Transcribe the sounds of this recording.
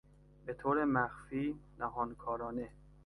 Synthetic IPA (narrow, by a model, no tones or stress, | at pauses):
be̞t̪ʰoːɾemæxfiːnæɦɒːnkʰɒːɾɒːne